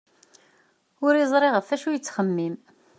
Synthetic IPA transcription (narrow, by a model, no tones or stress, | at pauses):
ʊɾizˤɾˤeʁəfæʃujət͡sːχəmːim